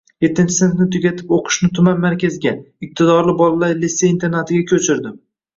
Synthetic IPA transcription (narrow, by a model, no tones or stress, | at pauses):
jet̪ʰːɪnt͡ʃʰɪsent̪nɪt̪ʰʊɡʲat̪ʰɪ̥poqʰɨ̥ʃnɪt̪ʰʊmanmaɾkʲazɪɡʲa | ɪk̚t̪ʰɪd̪ɒɾlɪbɒlˠalajlisːeint̪ʰe̞ɾnat̪ʰɪɡʲakʲʰɵt͡ʃʰɪɾd̪ɪm